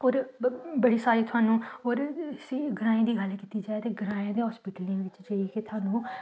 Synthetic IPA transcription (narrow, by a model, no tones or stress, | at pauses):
oːɾbəɽiːsaːɾiːt̪ʰʊɦaːnũːoːɾsĩːɡəɾãːẽːd̪iːɡəlkiːt̪iːd͡ʒaːet̪eːɡəɾãːãːd̪eːɦɔːspiːʈəlĩʋɪt͡ʃd͡ʒəiːkeːt̪ʰʊɦaːnũː